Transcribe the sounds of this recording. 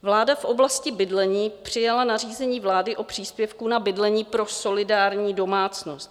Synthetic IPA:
vlaːdafʔo̞blascɪbɪdlɛɲiːpr̝̥ɪjalanariːzɛɲiːvlaːdɪʔo̞pr̝̥iːspjɛfkunabɪdlɛɲiːpɾo̞so̞lɪdaːɾɲiːdo̞maːt͡sno̞st̪

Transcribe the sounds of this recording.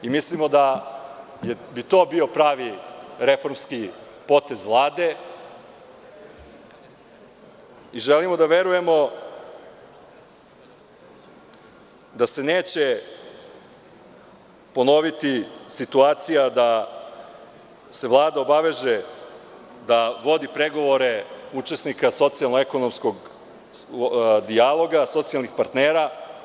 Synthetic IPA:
imislimo̞d̪a | jebit̪o̞ːbio̞pɾaːʋiɾefo̞ɾmski | po̞t̪e̞zʋlˠaːd̪e̞ | iʒelimo̞d̪aʋe̞ɾuje̞mo̞ | d̪ase̞neːt͡ɕe | po̞no̞ʋit̪isit̪uaːt̪sijad̪a | se̞ʋlˠaːd̪aobaʋe̞ʒe | d̪aʋo̞d̪ipɾeɡo̞ʋo̞ɾe̞ut͡ʃe̞snikaso̞t̪sialnoeko̞nomsko̞ɡ | d̪ialˠo̞ɡaso̞t̪sialˠnixpaɾt̪neːɾa

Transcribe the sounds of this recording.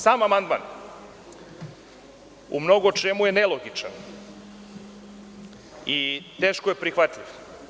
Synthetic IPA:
saːmamand̪ma̰n | ṵmno̞ɡot͡ʃe̞muje̞neloɡit͡ʃa̰n | it̪eːʃkojepɾixʋat̪ʎʲiʋ

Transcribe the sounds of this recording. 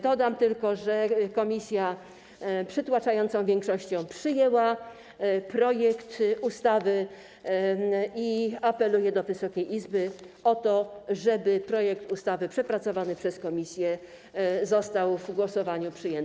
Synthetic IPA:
d̪ɔd̪amt̪ɘlkɔʐɛkɔmʲisʲja | pʂɘt̪wat͡ʂajɔnt̪sɔ̃w̃vʲjɛŋkʂɔɕt͡ɕɔ̃w̃pʂɘjɛwa | pɾɔjɛkt̪ust̪avɘ | iapɛlujɛd̪ɔvɘsɔkʲejʔizbɘ | ɔt̪ɔʐɛbɘpɾɔjɛkt̪ust̪avɘpʂɛpɾat̪sɔvanɘpʂɛskɔmʲisʲjɛ | zɔst̪awvɡwɔsɔvaɲupʂɘjɛn

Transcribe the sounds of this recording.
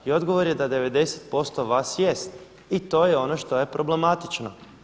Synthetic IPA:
io̞d̪ɡo̞ʋo̞ɾjed̪ad̪e̞ʋe̞d̪e̞set̪̚po̞st̪o̞ʋaːsjest̪ | it̪o̞jeo̞noʃt̪oje̞pɾo̞ble̞mat̪it͡ʃno̞

